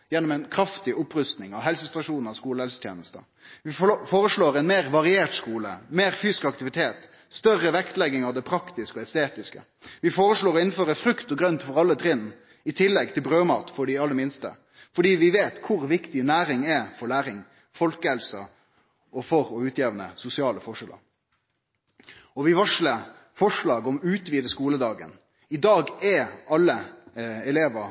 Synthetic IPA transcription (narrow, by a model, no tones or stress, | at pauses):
jɛnːɔmɛnkʰɾɑft̪ɪʔʊpːɾʉst̪nɪŋɑʋɦɛlsəst̪ɾɑʂuːnɑʋskuːləhɛlsət̪ʰjḛːnəst̪ə̰ | ʋɪfoːɾəʂɭoːɾɛɪnmeːɾʋɑɾɪeːʈskuːlə̰meːɾfyːsɪ̥skɑkt̪ɪʋɪt̪ʰeːt̪ | st̪œɾːəʋɛkt̪lɛɡːɪŋɑʋd̪ɛpʰɾɑkt̪ɪskəɔɛst̪eːt̪ɪskə̰ | ʋɪfoːɾəʂɭoːɾɔɪn̩føːɾəfɾʉkt̪ɔɡɾœnt̪fɔɾɑlːət̪ʰɾɪnː | ɪt̪ʰɪlːɛɡt̪ʰɪlbɾøːmɑ̰ːt̪fɔɖɪɑlːəmɪnst̪ə̰ | fɔɖiːʋɪʋeːt̪kʰʊɾʋɪkt̪ɪnæːɾɪŋɛfɔlæːɾɪŋ | fɔlkəhɛlsə | ʔɔfɔɾɔʉːt̪jeːʋənə̰sʊsɪɑːləfɔʂɛlʔə̰ɾ | ɔʋɪʋɑʂlə | fɔʂlɑːɡɔmʉːt̪ʋiːd̪əskuːləd̪ɑːɡə̰n | ɪd̪ɑːɡɛɑlːəɛleːʋə